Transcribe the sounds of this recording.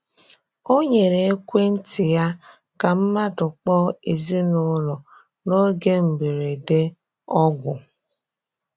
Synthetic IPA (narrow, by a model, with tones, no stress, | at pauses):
o˦ɲe˨ɾe˨e˦kʷe˦n̩˦tɪ˨ja˦ | ka˨m̩˦ma˦dʊ˨k͡pɔ˦e˨zi˦nʊ˦lɔ˨ | no˦ɡe˦m̩˨be˨ɾe˨de˦ | ɔ˦ɡʷʊ˨